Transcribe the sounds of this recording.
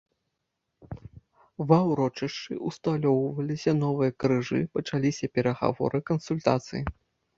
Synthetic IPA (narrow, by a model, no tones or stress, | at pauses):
vɐwɾɔt͡ʂɐʂt͡ʂɨʔust̪alʲɔwvɐlʲisʲɐnɔvɨjɐkɾɨʐɨ̰pɐt͡ʂalʲisʲɐpʲɛɾɐɣa̰vɔ̰ɾɨkɐnsulʲt̪a̰t̪sɨ̰ji